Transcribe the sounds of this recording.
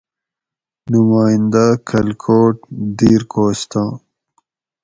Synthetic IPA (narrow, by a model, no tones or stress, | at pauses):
numaːĩnd̪akʰɐlkʰoːʈ̚d̪iːɾkoːst̪ãː